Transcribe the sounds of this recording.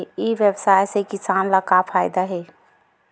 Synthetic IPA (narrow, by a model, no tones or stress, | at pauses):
iʋjəbsajsekɪsanlakapʰaːjd̪aɦe